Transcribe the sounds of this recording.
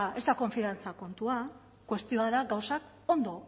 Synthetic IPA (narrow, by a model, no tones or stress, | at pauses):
e̞st̪ako̞ɱfiant͡sako̞nt̪ua | kwe̞st̪io̞aðaɡawsak | o̞nd̪o̞